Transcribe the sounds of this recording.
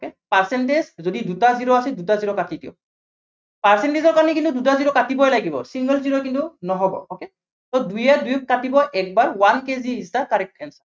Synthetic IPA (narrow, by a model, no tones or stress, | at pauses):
okepaɹsɛntezzodidutaziɹɔasɛdutaziɹɔkatitiɔ̰ | paɹsɛntezɔɹkaɹnikintudutaziɹɔkatibɔjlaɡibɔ̰siŋɡɔlziɹɔkintunɔɦɔbɔ̰oke | tɔdujadujuk̚ːatibɔʔɛk̚baɹwankeziːsakaɹɛk̚tɛnsa